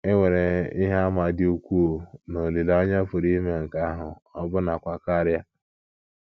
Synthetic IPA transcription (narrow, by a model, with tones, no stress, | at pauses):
e˦ŋʷe˨ɾe˨ɪ˦ɦa˦a˦ma˨dɪ˦u˦kʷu˦˨no˨li˨la˨˦ɔ˦ɲa˦fʊ˨ɾi˦me˦ŋ̩˨ka˦ɦʊ˨ɔ˦bʊ˦na˨kʷa˦ka˦ɾɪ˦a˦